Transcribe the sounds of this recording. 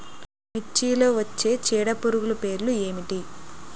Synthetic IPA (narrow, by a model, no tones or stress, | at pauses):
mit͡ʃːiːlo̞ːʋɐt͡ʃːe̞ːt͡ʃɛːɽɐpuɾuɡulɐpe̞ːɾulue̞ːmiʈi